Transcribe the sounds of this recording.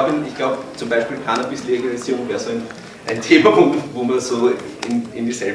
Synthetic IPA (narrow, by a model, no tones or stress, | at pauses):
bɪnɪçɡ̥laʊbt͡sʊmbaɪʃpiːlkʰanɐb̥ɪsleɡalɪsiːʁʊŋvɛːɐsoːæɪn | ʔæɪntʰeːmɐpʰʊŋktvoːmɐsoː | ɪnɪnd̥isɛl